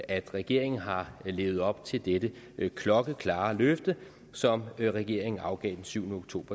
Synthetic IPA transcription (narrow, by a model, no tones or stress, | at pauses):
æd̥ʁɛɡ̥e̝ɐ̰e̝ŋn̩ɦɑ̈le̝ːʊð̩ˠɒ̽b̥̚t͡sʰe̝ld̥ed̥ə | kʰlɒ̽ɡ̥əkʰlɑ̈ːløfd̥ə | sɒ̽mʁɛɡ̥e̝ɐ̰e̝ŋn̩ɑ̈ʊɡ̥ɛ̰ːd̥ensyʊnəoɡ̥t͡sʰo̝̰ːb̥ɐ